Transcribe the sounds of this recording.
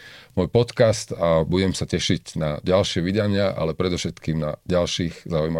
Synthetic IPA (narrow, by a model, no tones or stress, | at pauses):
mɔːjpɔt̪kast̪abuɟɛmsacɛʃiɟnaɟalʃɪɛʋid̪aɲɪaʔa̰lɛpɾɛd̪ɔfʃɛt̪kiːmnaɟalʃiːɣzaujma